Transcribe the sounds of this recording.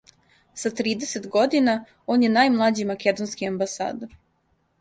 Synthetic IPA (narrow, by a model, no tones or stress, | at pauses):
sat̪ɾiːd̪e̞set̪ɡo̞d̪ina | o̞ːnjenajmlˠad͡ʑimake̞d̪onskiambasa̰ːd̪oɾ